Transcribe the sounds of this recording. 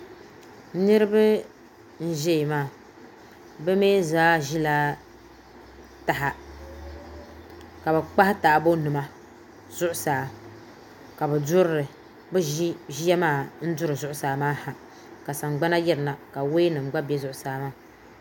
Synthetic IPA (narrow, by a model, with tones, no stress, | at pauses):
nɨ˦ɾɨ˦bɨ˦ | n̩˦ʒɛ˦˨maː˦˨ | bɛ˦meː˦zaː˦ʒi˦la˦ | ta˨ɦa˨ | ka˨bɛ˨k͡pa˦hɪ˦ta˨ʔbo˦nɨ˨ma˦ | z̥ʊ˦ʔʊ˦saː˨ | ka˨bɛ˨dʊ˦ɾɾɨ˨ | bɛ˦ʒi˦ja˦maː˦˨n̩˦dʊ˦ɾɨ˨zʊ˦ʔʊ˦saː˨maː˦ha˨ | ka˨sa˨ŋɡ͡ba˦na˦jɛ˦ɾɨ˨na˨ka˨we˦nɨ˨m˨ɡ͡ba˦bɛ˦zʊ˦ʔʊ˨saː˦maː˦˨